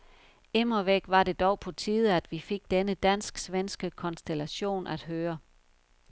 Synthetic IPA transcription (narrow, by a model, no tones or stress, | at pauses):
emɐʋeɡ̥ʋɑ̈ɾe̝d̥ɒʊpʰɒ̽t͡sʰiːð̞ˠæd̥ʋife̝ɡ̥̚d̥enəd̥æn̰sɡ̥sʋensɡ̥əkʰɒ̽nsd̥elæɕo̝̰ːnʔæd̥ɦøːɐ